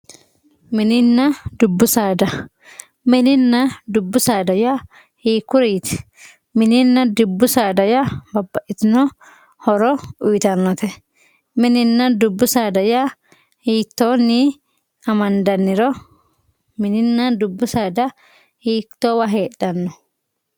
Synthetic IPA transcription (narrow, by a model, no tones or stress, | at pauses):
mɪnɪnːɐd̪ʊbːʊsaːd̪ɐ | mɪnɪnːɐd̪ʊbːʊsaːd̪ɐja | hiːkːʊɾiːt̪ɛ̥ | mɪnɪnːɐd̪ʊbːʊsaːd̪ɐjabɐbːɐʔɪt̪ɪnɔ | hɔɾɔʊjt̪ɐnːɔt̪ɛ | mɪnɪnːɐd̪ʊbːʊsaːd̪ɐja | hiːt̪ːoːnːi | ɐmɐnd̪ɐnːɪɾɔ | mɪnɪnːɐd̪ʊbːʊsaːd̪ɐ | hiːkt̪ːɔwɐɦeːɗːɐnːɔ